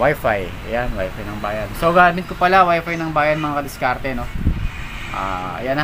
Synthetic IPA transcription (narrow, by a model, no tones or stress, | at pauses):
wajfajɐ̰janwa̰jfajnɐŋbaːjɐnsoɡaːmɪt̪̚kopɐlawajfajnɐŋbaːjɐnmɐŋakɐd̪ɪskaɾt̪ɛno̞ | ʔa̰ːɐ̰jan